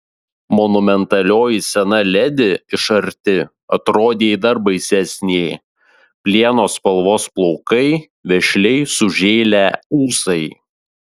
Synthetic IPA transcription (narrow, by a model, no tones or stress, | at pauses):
mɔnʊmʲɛnt̪ɐlʲoːjɪsʲɛnɐlʲɛd̪ʲɪɪʃɐɾʲt̪ʲɪ | ɐt̪ɾoːd̪ʲeːid̪ɐɾbɐɪsʲɛsʲnʲeɪ | pʲlʲiɛnoːspɐlˠʋoːsplˠɔʊkɐɪ | ʋʲɛʃʲlʲɛɪsʊʒʲeːlʲæuːsɐɪ